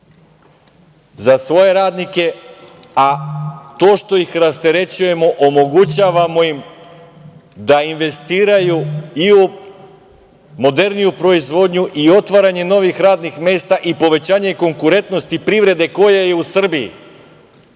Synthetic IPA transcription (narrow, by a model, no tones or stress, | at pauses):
zasʋo̞je̞ɾaːd̪nike̞ | at̪o̞ːʃt̪o̞ixɾast̪eɾe̞t͡ɕuje̞mo̞ʔomo̞ɡut͡ɕaːʋamo̞jim | d̪ainʋe̞st̪iːɾajuiu | mo̞d̪e̞ɾnijupɾo̞izʋo̞d̪ɲuʔio̞t̪ʋaɾaɲe̞no̞ʋixɾaːd̪nixme̞ːst̪aʔipo̞ʋe̞t͡ɕaːɲe̞ko̞ŋkuɾe̞nt̪no̞st̪ipɾiʋɾe̞d̪e̞ko̞jeje̞usr̩bijḭ